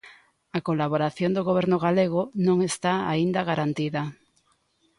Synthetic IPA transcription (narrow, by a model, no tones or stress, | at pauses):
akolaβ̞oɾaθjond̪oɣoβ̞eɾnʊɣaleɣonõŋest̪aa̰ind̪aɣaɾant̪iða